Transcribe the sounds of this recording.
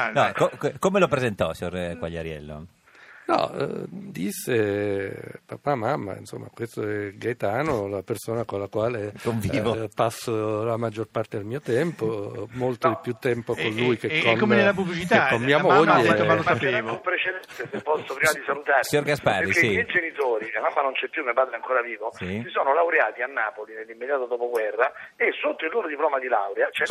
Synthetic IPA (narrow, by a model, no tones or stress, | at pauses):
nɔkokkomelopɾezent̪ɔsiɲorkwaʎːa̰ɾjɛ̰lːo̰ | nɔ̰d̪isːe | papamamːa̰ḭnso̰mːa̰kwest̪oɛɡajt̪aːnolapersoːnakolːakwaːlekoɱviːvopasːolamad͡ʒːorpart̪ed̪elmiːot̪ɛmpomolt̪d̪ipːjut̪ːɛmpoonlujkekːonkːomenlːap̬ublit͡ʃit̪aakːomːiːamoʎːealosaeavompɾet͡ʃed̪ɛnt̪esepːɔsːopɾiːmad̪isalut̪aːɾseɲoɾɡaspaeɾkːemɛjd͡ʒenit̪oːɾimamamːanont͡ʃɛpːjumːiopaːd̪ɾeaŋkoːɾaviːvosisoːnolawɾeaːt̪ianːaːpolinelːimːed̪jaːt̪od̪ɔːpoɡwɛrːaesːot̪ːoilːoːɾod̪iplɔːmad̪ilawɾeat͡ʃɛ